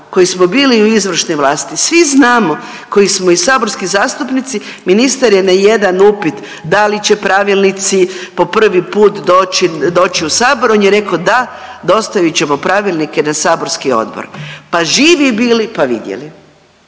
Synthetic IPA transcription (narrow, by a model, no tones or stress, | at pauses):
ko̞jismobiːliuizʋr̩ʃneʋlˠaːst̪isʋiznaːmo | ko̞jismoisaːbo̞ɾskizaːst̪upnit̪si | minist̪aɾjenaje̞d̪anupit̪ | d̪alit͡ɕe̞pɾaʋilˠnit̪sipo̞pr̩ʋipuːt̪d̪oːt͡ʃid̪o̞ːt͡ɕiusaːboɾoːnjeɾe̞kod̪a | d̪o̞st̪ajit͡ɕemopɾaʋilˠnikenasaːbo̞ɾskio̞̰d̪bo̰ɾpaʒiːʋibiːlipaʋḭd̪jḛli